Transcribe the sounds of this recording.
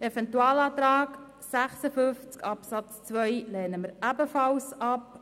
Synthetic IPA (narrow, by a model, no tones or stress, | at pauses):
ɛfɛntuɑːlɑːt̪ɾɑːk | sæχsəfʏft͡skɑpsɑt͡st͡sʋœjlɛːnəməɾæbəfɑlsɑp